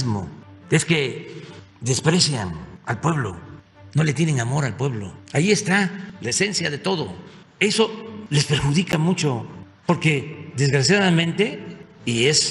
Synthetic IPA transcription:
zmo̰eske | d̪e̞spɾe̞sjanalpwe̞β̞lo̞̰ | no̞let̪jeneŋamo̞ɾalpwe̞βlo̞̰ajie̞st̪alaese̞nsjaðe̞t̪o̞ðo̞̰ | e̞so̞le̞spe̞ɾxuðikamut͡ʃo̞ | po̞ɾke̞d̪e̞zɣɾasjaðamẽ̞nt̪e̞ies

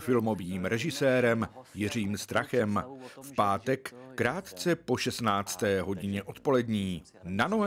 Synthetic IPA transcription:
fɪlmo̞viːmɾɛʒɪsɛːɾɛmjɪr̝iːmst̪ɾaxɛmfpaːt̪ɛkːɾaːt̪t͡sɛpo̞ʃɛst̪naːt͡st̪ɛːɦo̞ɟɪɲɛʔo̞t̪po̞lɛdɲiː | nanoɦ

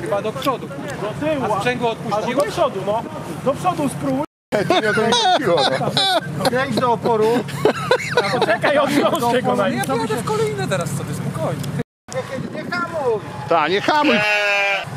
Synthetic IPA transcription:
xɨbad̪ɔpʂɔd̪uɛɡ̪ɔt̪ɪwaɛŋɡwɔɔt̪̚puad̪ɔpʂɔd̪unɔ | d̪ɔpʂɔd̪uspɾubu | ɛd͡ʑɛɔd̪iwaaɾɛjd͡ʑd̪ɔɔpɔɾu | at̪ɔt͡ʃɛkajɔt̪ɔɛɡɔnajisɔɛkɔlɛjnɛt̪ɛɾassɔbʲjɛspɔkɔjix | ɛkʲɛd̪ɲɛxamujt̪aɲɛxamuj

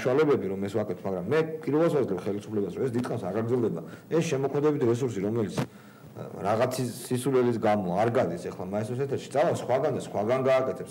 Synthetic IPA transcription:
ʃualɛbɛbiɾɔmɛswakʼɛt̪ʰmaɡɾamːɛpʼiɾvɛlˠs̬wazlɛpχɛlisupʰlɛbasɾɔɛsd̪it̪χʼanmsaɾɡaɡɾd̪ɛlˠd̪ɛba̰ɛsʃɛmɔkʰmɛd̪ɛbit̪ʰɾɛs̬uɾsiɾɔmɛlit̪sʰ | ɾaʁat̪sʰisisulɛlis̬ɡamɔaɾɡad̪isɛχlˠamaist̪ɔɾsɛt̪ʰɛɾʃi̥t̪sʼalafsχwaɡanɛsχwaɡanɡaːkʼɛt̪ʰɛps

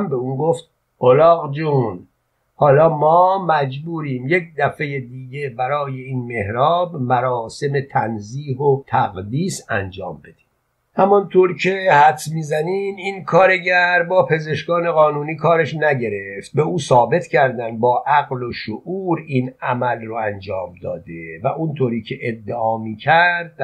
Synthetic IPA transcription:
mbeuːnɡoft̪ | olɒːɣd͡ʒuːn | hɒːlɒːmɒːmæd͡ʒbuːɾiːmjec̚d̪æfe̞jed̪iːɟe̞bæɾɒːje̞iːnme̞hɾɒːbmæɾɒːse̞me̞t̪ʰænziːɦot̪ʰæɣd̪iːsæ̰nd͡ʒɒ̰ːmbe̞d̪̥i̥ː | hæmɔnt̪ʰoːɾcʰe̞hæt̪smiːzæniːmiːnkʰɒːɾe̞ɟæɾbɒːpʰe̞ze̞ʃɡɒːne̞ɣɒːnuːniːkʰɒːɾeʃnæɟe̞ɾe̞ft̪̚be̞uːsɒːbe̞t̪ʰcʰæɾd̪ænd̪bɒːʔæɣloʃoʔuːɾinæmælroænd͡ʒɒːmd̪ɒ̰ːd̪evæʔunt̪ʰoːɾiːcʰe̞ʔed̪ːeɒːmiːcʰæɾd̪̚

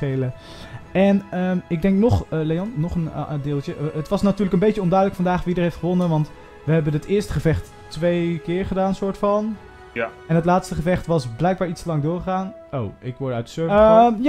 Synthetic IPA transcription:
ejlə | ɛnəmɪɡ̚dɛŋk̚nɔχəlejɔnːɔχəndɪːlˠtəətʋɑsnatyːɹləkənbejəɔndœɥdələkfɑndaːχʋidəɹɦejftχəʋɔnənʋɑnt | ʋəɦɛbənətɪːɹstə̥χəvɛχt | tʋejkɪːɹχədaːnsʊːɹtfɑn | ɛnətlaːtstəχəvɛχtʋɑsblɛjk̚baːɹitstəlɑŋdʊːɹχəχaːn | o̰wʔɪkʋɔɹdœɥtdə̥søɹj

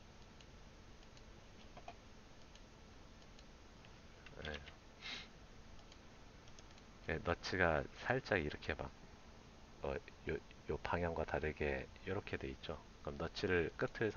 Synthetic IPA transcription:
je | jenʌt͡ɕʰiɡasʰaɭt͡ɕ͈aɡiɾʌkʰe̞ma̰k̚ | ʌ̰jo | jopaŋjaŋɡwataɾɯɡe̞jʌɾʌkʰe̞dwe̞it̚t͡ɕ͈o | ʌmnʌt͡ɕʰiɾɯɭk͈ɯtʰɯɭsʰ

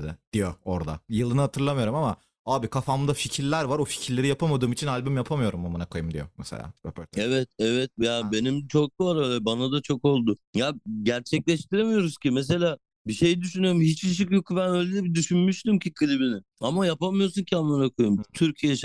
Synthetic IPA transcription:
d̪ɪ̰d̪̥ijooɾd̪a̰jɯlˠɯnɯhat̪ʰɯɾlˠamɯjo̞ɾumama | aːbikʰafamd̪aficʰiɾlʲæɾvaɾofi̥cʰiɾlʲeɾijapʰamad̪ɯːmit͡ʃʰinalʲbumjapʰamɯjo̞ɾumːamanakʰojɯmd̪ḭjo̰mɛsḛlʲa̰ːɛvɛt̪̚ɛvɛt̪̚jabe̞nimt͡ʃʰo̞k̚b̪aɾøːlʲɛbanad̪at͡ʃʰo̞ko̞lˠd̪ʊjaɟæɾt͡ʃʰɛclʲɛʃt̪ʰiɾemijo̞ɾuz̥cimes̬e̞lʲaː | biʃe̞jid̪yʃynyjo̞ɾumhit͡ʃiʃ̬ikjokːubænøjlʲɛɛbid̪yʃynmyʃt̪imcʰikʰɯlʲibinɪ | amajapamɯjo̞ɾsuncʰianːanakʰojumt̪ʰyɾcʰijɛʃ

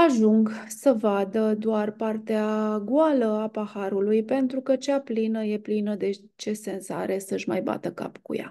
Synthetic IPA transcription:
aʒuŋɡsəvad̪əd̪oarpart̪eaɡualəapahaɾulujpe̞nt̪ɾukət͡ʃaplinəje̞plinəd̪e̞ | t͡ʃe̞se̞nsa̰ɾe̞səʃma̰jba̰t̪əka̰pkṵja̰

